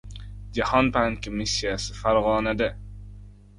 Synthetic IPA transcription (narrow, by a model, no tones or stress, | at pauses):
d͡ʒahɒnbaŋkʰomisːijasɪ̥faɾʁɒːnad̪a